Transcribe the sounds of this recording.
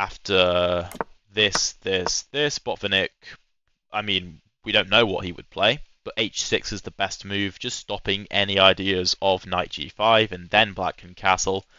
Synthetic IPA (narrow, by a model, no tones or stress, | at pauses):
aftʰə | ðɪsðɪsðɪsb̥ɒtfənɪk | ʔaɪmĩn | wiɾõʊ̃nːoʊwɒ̰ʔhiwə̰d̚pʰl̥eɪb̥ʌteɪt͡ʃsɪksɪzðəbɛstmʉːvd͡ʒʌststɒpɪ̃ŋɛ̰niaɪdiəzəvnaɪt̚d̥ʒ̥ḭfaɪvə̃nðə̃nbla̰kə̃nkʰasl̩ˠ